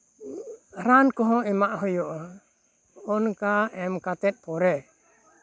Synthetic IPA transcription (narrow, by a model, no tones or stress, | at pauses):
ɾankɔɦɔ̃imaʔɦɔjɔʔɔ | ɔnkaɛmkat̪ɛt̪̚ˀpɔɾɛ